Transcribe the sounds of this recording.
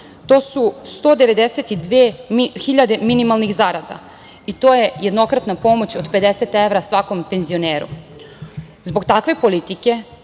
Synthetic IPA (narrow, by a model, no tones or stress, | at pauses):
t̪o̞ːsust̪od̪e̞ʋe̞d̪eset̪id̪ʋeːxiʎad̪e̞minimalˠnixzaɾad̪a̰ | it̪oːjejed̪no̞kɾat̪napo̞mo̞t͡ɕod̪pe̞d̪eset̪eʋɾasʋako̞mpe̞nzio̞neːɾṵ | zbo̞ɡt̪akʋe̞po̞lit̪ike̞